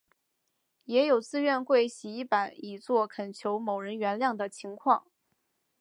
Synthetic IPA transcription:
jɛ˧˥jo˨˩ʊt͡sɹ̩˥˧ɥɛ˥˧nkwe˥˩ɪɕi˧˥i˥˩pa˨˩˦ni˨˩t͡swɔ˥˩kʰə˨˩nt͡ɕʰjo˧˥ʊmo˨˩ʊɻə˧˥nɥɛ˧˥nljɑ˥˩ŋd̪ə˩t͡ɕʰi˧˥ŋkʰwɑ̰˥˩ŋ

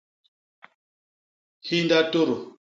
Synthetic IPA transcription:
hi˦nda˦to˦ɾo˨

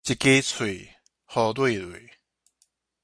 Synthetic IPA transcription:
t͡ɕi˨ke˦t͡sʰwe˨˩ | hɔ˧t̪we˥˧˨lwe˨

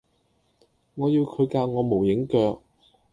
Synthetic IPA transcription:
ŋɔː˨˧jiː˧wkʰɵ˨˧ɥkaː˧wŋɔː˨˧mo˨˩wjɪ˨˥ŋkœː˧k̚

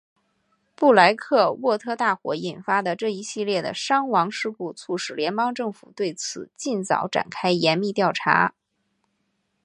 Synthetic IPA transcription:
pu˥˩la˧˥ɪkʰɤ˥˧wɔ˥˩t̪ʰɤ˥t̪a˥˩xwɔ̰˧˥i˨˩nfa˥d̪ə˨ʈ͡ʂɤ˥˩i˧˥ɕi˥˧ljɛ˥˩d̪ə̰˩ʂɑ˥ŋwɑ˧˥ŋʂɻ̩˥˧ku˥˧t͡sʰu˥˩ʂɻ̩˨˥˩ljɛ˧˥npɑ˥ŋʈ͡ʂɤ˥˩ŋfṵ˨˩t̪we˥˩ɪt͡sʰɹ̩˨˩t͡ɕi˥˩nt͡sɑ̰˨˩˥ʊʈ͡ʂa̰˨˩nkʰa˥ɪjɛ˧˥nmi˥˧t̪jɑ˥˩ʊʈ͡ʂʰa̰˧˥

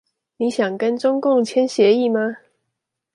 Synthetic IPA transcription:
ni˨˦ɕjɑ˨˩ŋkə˦nʈ͡ʂʊ˥ŋkʊ˥˨ŋt͡ɕʰjɛ˦˥nɕjɛ˨˦i˥˨ma˦

